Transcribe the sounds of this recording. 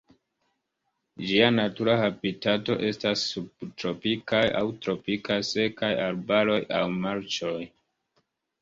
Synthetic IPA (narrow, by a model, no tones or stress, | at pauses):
d͡ʒianatuɾahabitato̞ʔe̞stasːubtɾo̞pikaja̰wtɾo̞pikajse̞kajaɾbaɾo̞jawmaɾt͡ʃo̞j